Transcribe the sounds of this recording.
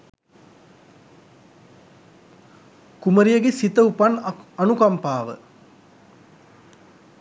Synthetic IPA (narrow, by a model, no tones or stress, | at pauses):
kuməɾijɐɡesit̪ɐupanɐnukɐmpaːʋə̰